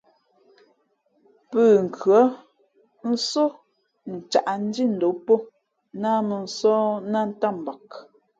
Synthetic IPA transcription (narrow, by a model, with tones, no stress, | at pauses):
pəː˦˨ŋ̩˨kʰɥɔ˨˦ | n̩˦so˦ | n̩˨t͡ʃa˨ʔa˨n̩˦di˦n̩˨do˨˦po˦ | na˦mə˨n̩˨˦sɔː˦na˦˨n̩˦ta˦˨m˨ba˨k̚